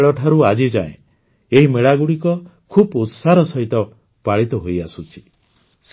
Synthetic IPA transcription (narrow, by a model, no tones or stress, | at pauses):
ɭɔʈʰaɾuad͡ʒid͡ʒa̰ḛ̃ | eɦimeɭaɡuɽikɔkʰubut̪saɾɔsɔɦit̪ɔ | paɭit̪ɔɦojasut͡ʃʰi̥ | s